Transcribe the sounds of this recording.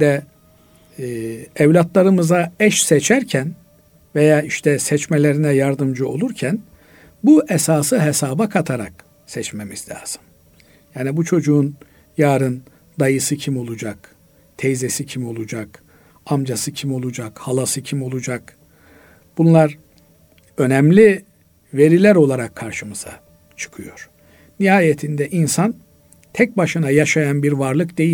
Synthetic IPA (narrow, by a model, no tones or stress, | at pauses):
d̪ɛ | ɛvlʲat̪lˠaɾɯmɯzaɛʃsɛt͡ʃʰæɾcʰæn | vejaːiʃt̪ʰɛsɛt͡ʃmelʲe̞ɾinɛjaɾd̪ɯmd͡ʒɯo̞lˠuɾcʰæn | buʔɛsaːsɯɦesaːbakʰat̪ʰaɾa̰k | sɛt͡ʃmemiz̥lʲa̰ːz̥ɯ̥m | jaːnibut͡ʃʰo̞d͡ʒuːn | jaːɾɯn | d̪ajɯsɯcʰimo̞lˠud͡ʒak | t̪ʰɛjzesicʰimo̞lˠud͡ʒak | amd͡ʒasɯcʰimo̞lˠud͡ʒakhalˠasɯcʰimo̞lˠud͡ʒak | b̥unlˠaɾ | ø̞nɛmlʲi | ve̞ɾilʲæɾo̞lˠaɾakʰːaɾʃɯmɯz̥a̰ | t͡ʃʰɯ̥kʰɯjo̞ɾ̥ | nihaːjet̪ʰind̪ɛʔinsan | t̪ʰɛc̚baʃɯnajaʃajanbiɾvaɾlˠɯkd̪e̞ji